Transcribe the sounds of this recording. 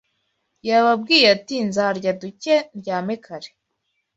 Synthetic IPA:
jaβab̚ɡiːjatinzaɾɟaduceɟaːmekʰaɾe

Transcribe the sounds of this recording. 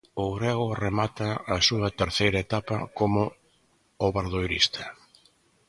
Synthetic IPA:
ʊɣɾɛɣʊremat̪ɐːsuɐt̪eɾθejɾɐet̪apɐkomʊ | oβaɾðojɾḭst̪ʰɐ̥

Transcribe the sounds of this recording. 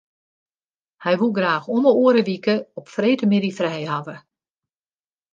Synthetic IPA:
hɛjʋulˠɡraːxoməoːəɾəʋikəɔpfreːtəmɪdifrɛjhavə

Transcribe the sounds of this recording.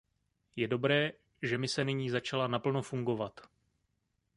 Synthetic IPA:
jɛdo̞bɾɛː | ʒɛmɪsɛnɪɲiːzat͡ʃalanapl̩no̞fuŋɡo̞vat̪

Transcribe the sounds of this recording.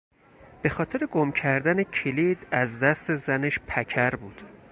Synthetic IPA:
b̥e̞xɒːt̪ʰe̞ɾeɡomcʰæɾd̪ænecʰelid̪æzd̪æst̪e̞zæneʃpʰæcʰæɾbuːd̪̥

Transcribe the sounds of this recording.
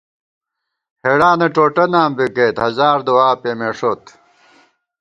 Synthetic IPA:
heːɽaːnɐʈoːʈɐnaːmbikeːt̪hɐzaːɾd̪uwaːpeːmeʂoːt̪

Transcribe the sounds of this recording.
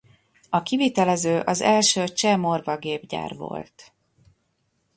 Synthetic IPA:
ɒkivit̪ɛlɛzøːʔɒzɛlʃøːt͡ʃɛmorvɒɡeːbɟa̰ːrvo̰lt̪

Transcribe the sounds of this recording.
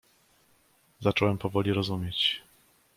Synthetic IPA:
zat͡ʂɔwɛmpɔvɔlʲiɾɔzumʲjet͡ɕ

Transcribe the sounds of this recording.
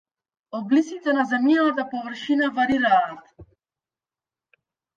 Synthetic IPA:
ɔd̪̚bliskit̪ɛnazɛmjalat̪apɔvr̩ʃinavaɾiɾaːt̪

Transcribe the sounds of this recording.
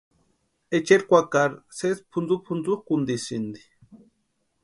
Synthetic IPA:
et͡ʃeɾkʷakaɾsespʰund͡zupʰund͡zuxkund̪isind̪i̥

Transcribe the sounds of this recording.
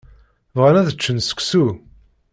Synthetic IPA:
vʁanæðət͡ʃːənsə̥kʷːsu

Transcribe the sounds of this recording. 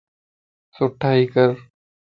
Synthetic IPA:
sʊʈʰːaːikəɾ

